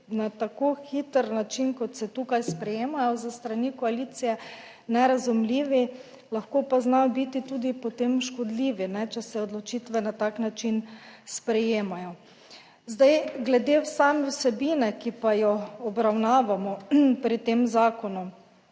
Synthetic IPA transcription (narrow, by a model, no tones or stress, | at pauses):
nat̪akoxit̪əɾnat͡ʃinkɔt̪sɛt̪ukajspɾɛjeːmajɔzəst̪ɾanikɔalit̪sijɛ | nɛɾazumliːʋi | laxkoːpaznajɔbit̪it̪uːd̪ipɔt̪emʃkɔd̪liːʋinɛt͡ʃɛsɛɔd̪lɔt͡ʃit̪ʋɛnat̪aknat͡ʃinspɾɛjeːmajɔ | zd̪ajɡlɛd̪ewsaːmɛwsɛbinɛkipajɔɔbɾawnaːʋamɔpɾit̪emzaːkɔnu